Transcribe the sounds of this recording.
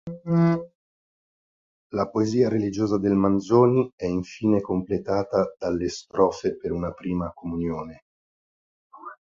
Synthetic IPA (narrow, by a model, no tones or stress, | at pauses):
lapoeziːaɾelid͡ʒoːzad̪elmanzoːniɛiɱfiːnekomplet̪aːt̪ad̪̥alːest̪ɾɔːfepeɾunapɾiːmakomunjoːne